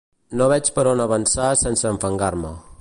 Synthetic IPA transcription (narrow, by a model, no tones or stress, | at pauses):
noβɛt͡ʃpəɾonəβənsasɛnsəɱfəŋɡaɾmə̰